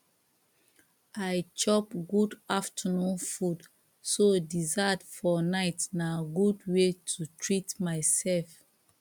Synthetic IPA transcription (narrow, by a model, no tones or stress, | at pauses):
ajt͡ʃɔpɡudaftʰənũnfud | sodizatfɔnaɪtnaɡudwetʰutɹitmaɪsɛlf